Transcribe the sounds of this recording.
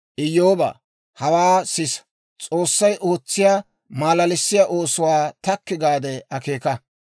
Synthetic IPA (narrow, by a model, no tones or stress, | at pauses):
ʔɪjːoːbɐ̰ | hɐwaːsɪs | t͡sʼoːsːɐjʔo̞ːt͡sːɪjaː | maːlɐlɪsːɪjaːʔo̞ːsʊwaːt̪ɐkːɪɡaːd̪ɛʔɐke̞ːkɐ